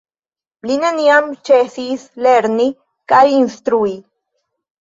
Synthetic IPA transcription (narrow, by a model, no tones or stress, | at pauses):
linaniamt͡ʃesisleɾni | kajinst̪ɾui